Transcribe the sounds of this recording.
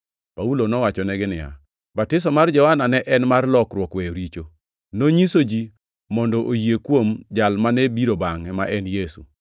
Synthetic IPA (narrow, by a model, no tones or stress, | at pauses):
paulonɔwat͡ʃɔnɛɡɪnɪja̰ | batɪs̬ɔmard͡ʒɔwananɛʔɛnmarlɔkɾwɔkweɾit͡ʃo | noɲisod͡ʒi | mɔndɔʔojiekwomd͡ʒalmanɛbiɾobaŋɛmaʔɛnjesṵ